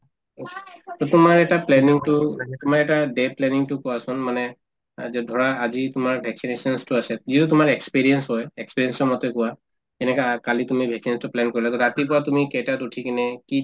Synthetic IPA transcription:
tɔtʊmaɹɛtaplɛniŋtʊaɛtʊmaɹɛtadeplɛniŋtʊkɔwasɔnmanɛ | zɛdʱɔɹaːzitʊmaɹbʱɛksinesɔnstʊasɛzitutʊmaɹɛkspiɹiɛnsɦɔjɛkspiɹiɛnsɔmɔtɛkʊwa | ɛnɛkakalitʊmibʱɛksinstʊplɛnkoɹilatɔtatipɔɹatʊmikɛtatutʰikinɛki

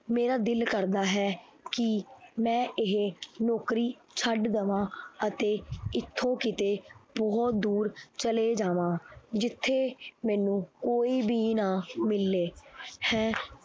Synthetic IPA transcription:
meːɾaːd̪ɪlkəɾd̪aːɦɛː | kɪmɛ̃ːɪɦenɔːkɾiː | t͡ʃʰəɖd̪əʋãːət̪eːɪt̪ʰːõːkɪt̪eːbɔːt̪̚d̪uːɾt͡ʃəleːd͡ʒaːʋãːd͡ʒɪt̪ʰːeːmɛ̃ːnũːkoːiːbiːnãːmɪlːeːhɛ̃ː

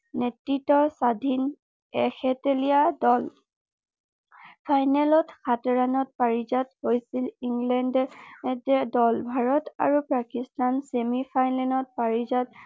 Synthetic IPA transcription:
netɹitːɔsadʱin | ɛxɛtelijadɔl | pʰajnɛlɔtxʰatɔɹanɔt̚paɹizathojsiliŋɡlɛndɛtɛdɔlbʱaɹɔta̰ɹupɹakistansemipʰajnɛnɔt̚paɹizat̚

